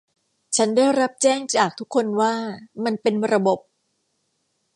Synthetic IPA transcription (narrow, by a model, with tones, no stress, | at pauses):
t͡ɕʰa˦˥ndaː˥˩jɾa˦˥p̚t͡ɕɛː˥˩ŋt͡ɕaː˨˩k̚t̪ʰu˦˥kʰːo˧nwaː˥˩ma˧npe˧nɾa˧bo˨˩p̚